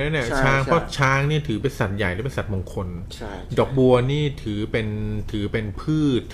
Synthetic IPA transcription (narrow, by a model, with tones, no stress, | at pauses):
nɛː˦˥ni˥˩ɐt͡ɕʰaː˦˥ŋpʰɔ˦˥t͡ɕʰaː˦˥ŋniː˥˩t̪ʰɯː˩˦p̬e˧nsa˨˩t̪̚ja˨˩jlɛ˦˥pe˧nsa˨˩mo˧ŋkʰo˧n | dɔː˨˦˩k̚bu˧ɐniː˥˩t̪ʰɯː˩˦pe˧nt̪ʰɯː˨˩˦pe˧npʰɯː˥˩t̪̚